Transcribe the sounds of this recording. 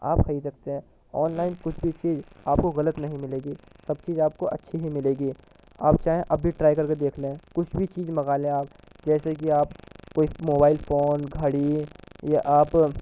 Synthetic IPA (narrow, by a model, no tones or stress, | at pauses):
a̰ːpkʰɐisɐkt̪eɦɛ̃ː | ɔːnlaːɪnkʊt͡ʃʰbʱit͡ʃiːd͡ʒaːp̚koɣɐlət̪nɐɦĩmɪleːɡiːsɐb̚t͡ʃiːzaːp̚koʔɐtːʃʰiɦimɪleːɡiː | a̰ːpt͡ʃaːɦẽʔɐbʱiʈɾaːjkɐɾked̪eːkʰlẽɦɛ̃kʊt͡ʃʰbʱit͡ʃiːzmɐɣaːlẽaːp̚ | d͡ʒɛːsekiaːpkoːimoːbaːɪlfʰoːnɡʱɐɽijaʔaːp